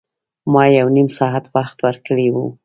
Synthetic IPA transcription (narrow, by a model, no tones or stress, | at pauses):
mɑjawnimsɑɦat̪waxt̪wəɾkəɽewu